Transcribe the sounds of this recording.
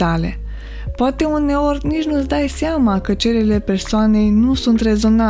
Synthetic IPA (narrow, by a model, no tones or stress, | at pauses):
alɛ̰ | pɔt̪ɛmunɛoɾniʒnɔzd̪ajsjamakat͡ʃeɾɛlɛpɛɾsɔnɛjnusunt̪ɾɛzɔna